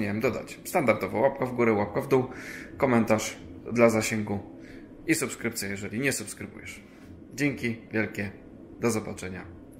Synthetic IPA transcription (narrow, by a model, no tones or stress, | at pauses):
ɲawɛmd̪ɔd̪a̰t͡ɕst̪and̪aɾd̪ɔvɔwapkɔvɡuɾɛwap̚kavd̪uwkɔmɛnt̪aʂd̪lazaɕɛŋɡu | isupskɾɘp̚t̪sʲjɛjɛʐɛlʲiɲɛsupskɾɘbṵjɛ̰ʂ | d͡ʑɛŋkʲivʲjɛlkʲɛ | d̪ɔzɔbat͡ʂɛɲa